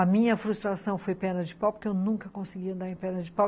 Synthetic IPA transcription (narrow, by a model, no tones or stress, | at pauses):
ɐmĩɲɐfɾust̪ɾasɐ̃w̃fojpɛ̃nɐd͡ʒɪpawpʊɾkɪewnũŋkɐkõsɪɡiɐ̃nd̪aɾẽj̃pɛ̃nɐd͡ʒɪpaw